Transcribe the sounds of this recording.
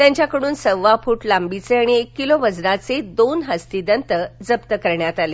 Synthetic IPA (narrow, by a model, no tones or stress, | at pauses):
t̪jãɲt͡ɕjakəɽ̃uːnsəʋʋafuːʈlambit͡seaɽ̃iekːiloʋəd͡zɾat͡sed̪onɦəst̪id̪ənt̪əd͡zəpt̪əkəɾɳjat̪ale